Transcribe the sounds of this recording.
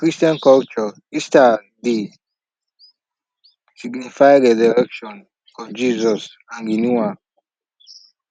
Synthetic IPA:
kɹistiãnkɔlt͡ʃɔ | ista | di | siɡnifajɹɛzɔɾɛkʃɔ̃n | fɔd͡ʒizɔs | ãŋɡinuwa

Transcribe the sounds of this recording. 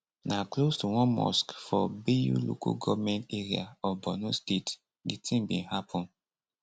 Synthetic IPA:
naklostuwɔ̃nmɔ̰skfɔbijulo̰kɔ̰ɡɔvmɛ̃nteɹia̰ɔfbɔnustet | ditʰĩŋbĩnhapʰɔ̃n

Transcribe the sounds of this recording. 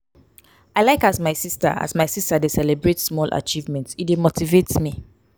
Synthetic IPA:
aɪlaɪkazmaɪsista̰a̰zmaɪsistadesɛlebɹetsmɔlʔa̰t͡ʃivmɛ̃ntsitdemotivetsmi

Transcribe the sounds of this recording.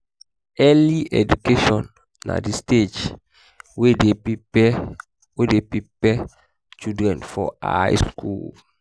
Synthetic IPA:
ɛliʔɛd͡ʒukeʃɔ̃nː | a̰disted͡ʒ | wedeiɛ | wedepipɛ | t͡ʃudɹɛ̃nfɔa̰jskṵl

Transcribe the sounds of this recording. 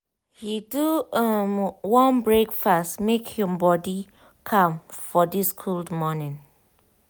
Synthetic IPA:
hiduəmwɔ̃nbɹekfastmekhĩmbɔdi | kʰãmfɔdiskʰuldmɔnĩn

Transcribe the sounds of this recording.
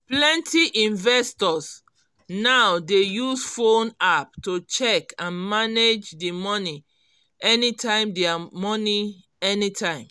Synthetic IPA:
plɛ̃ntʰiʔĩnvɛstɔs | nawdejusfõnap̚tot͡ʃɛkãnmaned͡ʒdimɔni | ɛnitʰãɪ̃mdɛamɔni | ɛnitʰãɪ̃m

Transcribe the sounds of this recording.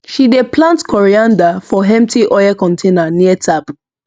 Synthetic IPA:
ʃideplãntkʰɔɹiãndafɔɦɛ̃mp̚tʰiʔɔjakɔ̃ntʰẽnaniətʰap

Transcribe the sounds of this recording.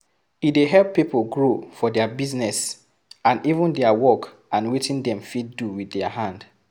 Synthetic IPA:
ideɦɛlpːipolɡɹofɔdɛabiznɛs | ãnivə̃ndɛawɔk | ʔãnwetĩndɛ̃mfit̚duwiðɛahãnd

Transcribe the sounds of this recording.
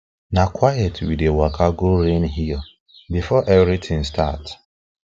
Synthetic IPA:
nakʰwajɛtwidewakʰaɡoɾenɦi | bifɔʔɛvɾitʰɪ̃ŋstat

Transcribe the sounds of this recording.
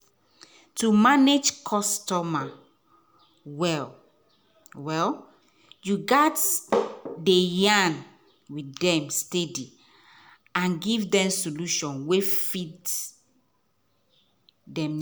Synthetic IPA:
tumaned͡ʒkʰɔstɔma | wɛl | wɛl | juɡat | dejãn | widɛ̃mstedi | ãnɡivdɛ̃msoluʃɔ̃nwefit | dɛ̃m

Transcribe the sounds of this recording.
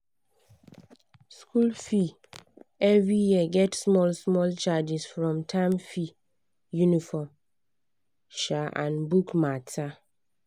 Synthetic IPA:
skʰulfi | ɛvɹijiəɡɛtsmɔlsmɔlt͡ʃad͡ʒisfɹɔ̃mtʰãmfi | junifɔm | ʃaʔã̰nbukmatʰa

